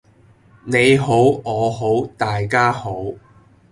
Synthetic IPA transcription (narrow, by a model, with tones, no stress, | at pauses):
ne˨˧jɦo˨˥wɔː˨˧ɦo˨˥wt̪aː˨jkaː˥ho˨˥w